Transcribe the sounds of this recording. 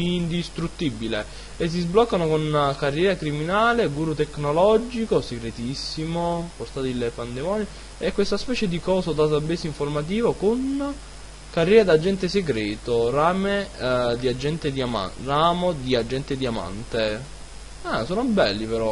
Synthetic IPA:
ind̪ist̪ɾut̪ːibile | es̬ːizblɔkːanokonkarːjɛːɾakɾiminaːleɡuːɾut̪ekːnolɔd͡ʒikoseɡɾet̪isːimoport̪aːt̪ilːepand̪emɔːni | ɛkːwest̪aspɛːt͡ʃed̪ikɔːsod̪at̪abeːsiɱformat̪̬iːvokon | karjɛːɾad̪ad͡ʒːɛnt̪eseɡɾɛːt̪oraːmed̪iad͡ʒːɛnt̪ed̪iama̰raːmod̪iad͡ʒːɛnt̪ed̪iama̰nt̪e | ɛsoːnobɛlːipeɾɔ

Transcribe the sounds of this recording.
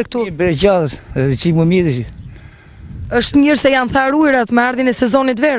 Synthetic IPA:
ɛk̚t̪ubɾɛt͡ʃaðəsɛt͡ʃimumiðiʃi | əʃt̪məɾsɛjanθaɾuɛɾat̪mɛaɾðjinɛsɛzɔnit̪vɛɾ

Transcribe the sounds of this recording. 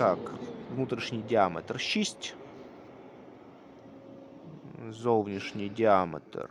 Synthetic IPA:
akvnut̪ɾʲɪʂnʲɪjdʲɪamʲə̰t̪rɕisʲtʲ | zolˠvnʲɪʂnʲɪjdʲɪamʲə̰t̪ə̰r

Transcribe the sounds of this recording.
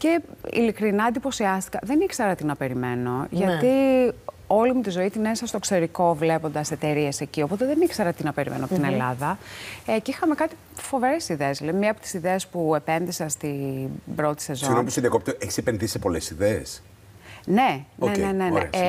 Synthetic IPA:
ce̞ḭlikɾinɐnd̪ipo̞siɐst̪i̥kɐðe̞nikseɾɐt̪inɐpe̞ɾime̞no̞ʝɐt̪i | o̞limut̪izo̞it̪inesɐst̪o̞kseɾiko̞vle̞po̞nd̪ɐset̪e̞ɾie̞se̞cio̞po̞t̪eðenikseɾɐt̪inɐpe̞ɾḭmenoɐpot̪inelɐðɐecixɐme̞kɐt̪i̥ | fo̞ve̞ɾesiðeesleimɲeɐːpo̞t̪isiðeespue̞pe̞nðiseɐst̪ibɾo̞t̪i̥se̞zonompusiðiɐkopt̪eʔeçi̥sepenðisepo̞lesiðees | ne̞nenenenḛ

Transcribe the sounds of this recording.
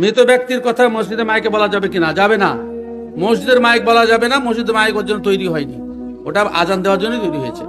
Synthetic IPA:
mɾit̪ɔbjɔk̚t̪iɾkɔt̪ʰamosid̪eɾmajkebɔlad͡ʒabekinad͡ʒabena̰ | mosud̪eɾmajkebɔlad͡ʒabenamosud̪maikoɾd͡ʒonɔt̪ojɾiɦɔjni | oʈaa̰d͡ʒand̪ebaɾd͡ʒonːet̪ojɾiɦɔjt͡ʃʰḛ

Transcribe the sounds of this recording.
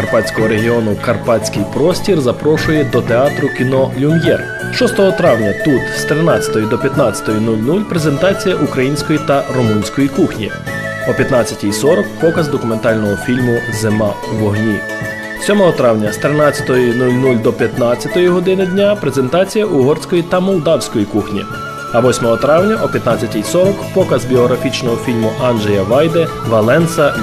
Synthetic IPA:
kɐrpɑt͡sʲkɔɦɔɾeɦʲiɔnʊkɐrpɑt͡sʲkɪjpɾɔsʲtʲirzɐpɾɔʃʊjɛd̪ɔt̪eɑt̪ɾʊkʲinɔlʲʊmjɛ̰r | ʃɔst̪ɔɦɔt̪ɾɑwnʲɐt̪ut̪st̪ɾɪnɑt͡sʲɐt̪ɔjid̪ɔpʲjɐt̪nɑt͡sʲɐ̥t̪ɔjinulʲnulʲpɾe̞ze̞nt̪ɑt͡sʲijɐʔukɾɐjinʲsʲkɔjit̪ɐrɔmunʲsʲkɔjikuxnʲḭ | ɔpʲjɐt̪nɑt͡sʲɐtʲijsɔɾɔkpɔkɐzd̪ɔkʊme̞nt̪ɑlʲnɔɦɔfʲilʲmʊzemɑʋɔɦnʲi | sʲɔmɔɦɔt̪ɾɑwnʲɐst̪ɾɪnɑt͡sʲɐ̥t̪ɔjinulʲnulʲd̪ɔpʲjɐt̪nɑt͡sʲjɐt̪ɔjiɦɔd̪ɪnɪdʲnʲapɾe̞ze̞nt̪ɑt͡sʲijɐʔuɦɔrsʲkɔjit̪ɐmɔlˠd̪ɑwsʲkɔjikuxnʲḭ | ɐʋɔsʲmɔɦɔt̪ɾɑwnʲɐʔɔpʲjɐt̪nɑt͡sʲːɐtʲijsɔɾɔkpɔkɐzbʲiɔɦɾɐfʲit͡ʃnɔɦɔfʲilʲmʊʔɑnʒejɐʋɑjd̪e | ʋɐlˠɛnsɐ

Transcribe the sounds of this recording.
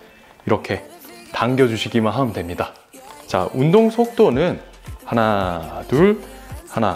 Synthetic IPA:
iɾʌkʰe̞taŋɡjʌd͡ʑuɕʰiɡimanɦamdwe̞mɲida | t͡ɕa̰undoŋsʰok̚t͈onɯn | hanaduɭhana

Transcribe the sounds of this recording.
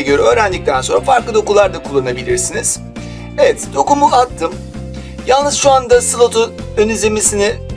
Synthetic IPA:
ɟø̞ɾɛø̞ːɾænlʲic̚t̪ʰænso̞nɾafaɾklˠɯd̪o̞kulˠaɾd̪akʰulˠːanabilʲiɾsiniz̥ | evɛt̪d̪̥o̞kumuat̪ʰːɯm | jalˠnɯz̥ʃuand̪asɯlˠot̪ʰuønizemisinɪ

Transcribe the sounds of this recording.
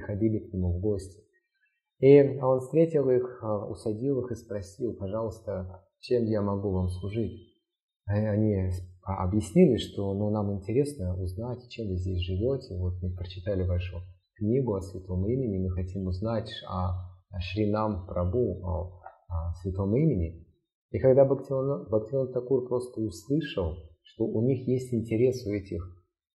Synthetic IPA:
xɐdʲilʲɪknʲɪmuvɡo̞sʲtʲɪ̥ | io̞nfst̪ʲɾʲetʲɪlˠixʊ̰sɐdʲilˠɨxɨspɾɐsʲilˠpɐʐɑlˠəst̪ə | t͡ɕe̞mjamɐɡuvamslˠʊʐɨtʲ | ɐnʲiɐ̰bjɪsʲnʲilʲɪʂt̪o̞nunamɪnʲtʲɪɾʲe̞snəʊznatʲt͡ɕe̞mvɨzʲdʲes̬ʲʐɨvʲotʲɪvot̪mɨpɾət͡ɕɪt̪alʲɪvaʂʊ | knʲiɡʊɐsvʲɪt̪o̞mimʲɪnʲɪmɨxɐtʲimʊznatʲɐʂɾʲɪnampɾɐbuɐ | svʲɪt̪o̞mimʲɪnʲɪ | ikɐɡd̪abɐktʲonbɐktʲɪont̪ɐkurpɾo̞st̪əʊslˠɨʂəlˠʂt̪o̞ʔʊnʲixjesʲtʲɪnʲtʲɪɾʲe̞sʊɛtʲɪx

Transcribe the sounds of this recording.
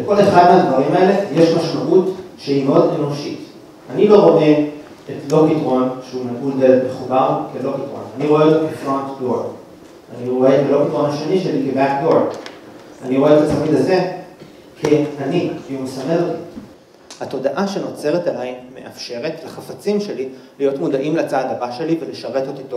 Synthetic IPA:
leko̞le̞χad̪meadvaʁimae̞le̞je̞ʃmaʃmaʔutʃehimeo̞de̞no̞ʃit | anilo̞ʁo̞ʔe̞ | etlo̞kitʁo̞nʃeuneɡuldelme̞χubaʁkelo̞kitʁonaniʁo̞eotkefʁontbod | aniʁo̞eːtbalo̞bitʁo̞nhaʃe̞niʃelikebakdod | aniʁo̞e̞etatamidaze̞ | kʰeaniiumesameloti | hato̞daʔaʃe̞no̞t͡se̞ʁetalaimme̞̰ʔa̰fʃe̞ʁe̞tlaχafat͡simʃe̞lilijo̞tmodaʔimlat͡saːdabaʃe̞liveleʃaʁe̞totito

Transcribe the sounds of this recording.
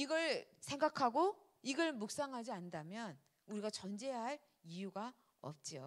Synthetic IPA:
iɡʌɭ | sʰe̞ŋɡakʰaɡo | iɡʌɭmuk̚s͈aŋɦad͡ʑiandamjʌn | uɾiɡat͡ɕʌnd͡ʑe̞jaɦaɭ | ijuɡa | ʌ̰p̚t͡ɕ͈io

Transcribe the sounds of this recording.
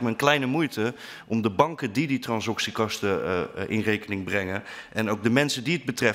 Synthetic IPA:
kməənklɛjnəmujtə | ʔɔmdəbɑŋkədiditrɑnsɑksikɑstəʔɪ̰nrejkənɪŋbrɛŋənɛnowɡ̚dəmɛnsədiəd̚bətrɛ

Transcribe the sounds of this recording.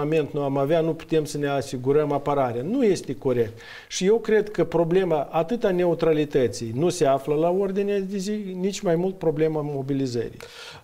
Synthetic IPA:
ame̞nt̪nuamaveanupu̥t̪e̞msəne̞asiɡuɾəmapəɾaɾeanuje̞st̪e̞ko̞ɾe̞k̚t̪ | ʃije̞wkɾe̞d̪kəpɾo̞ble̞maʔat̪ɨt̪ane̞ut̪ɾalit̪ət̪sijnuse̞afləlao̞rd̪inead̪e̞zinit͡ʃʲmajmult̪̚pɾo̞ble̞mamo̞bilizə̰ɾḭj

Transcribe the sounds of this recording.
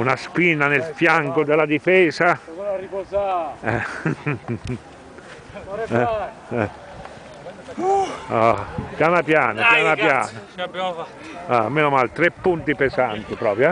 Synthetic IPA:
unaspinːanelfjaŋkod̪elad̪ifɛːsa | ɛ | ɛ | ɛ | apjaːnapjaːnapjaːnapjaːna | ameːnomalt̪ɾepːunt̪ipezant̪ipɾɔːpɾj

